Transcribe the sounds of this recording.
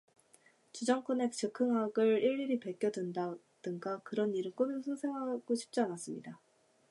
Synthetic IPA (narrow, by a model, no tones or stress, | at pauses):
t͡ɕud͡ʑʌŋkʰone̞k̚t͡ɕ͈ɯkʰɯŋɦaɡɯɭiɭːiɾipeɭk͈jʌdenda | d̥ɯŋɡakɯɾʌnːiɾɯɭk͈omesʰɯsʰeŋɦaɡ̥oɕʰi̥p̚t͡ɕ͈ianas͈ɯmɲida